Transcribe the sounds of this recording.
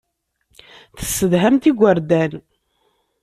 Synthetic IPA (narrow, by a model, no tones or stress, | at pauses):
θə̥sːəðɦæmt̪iɡʷəɾd̪æn